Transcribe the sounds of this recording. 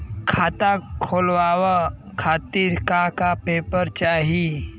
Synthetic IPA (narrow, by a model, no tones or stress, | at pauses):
kʰaːt̪akʰoːlʋaːwə | kʰaːt̪iːɾkakapeːpəɾt͡ʃaːɦi